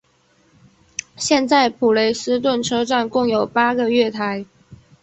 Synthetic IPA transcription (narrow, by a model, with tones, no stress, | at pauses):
ɕjɛ˥˧nt͡sa˥˩ɪpʰu˨˩le˧˥ɪsɹ̩˥t̪̬wə˥˩nʈ͡ʂʰɤ˥ʈ͡ʂa˥˧nkʊ˥˩ŋjo˨˩ʊpa˥ɡə˨ɥɛ˥˩t̪ʰa˧˥ɪ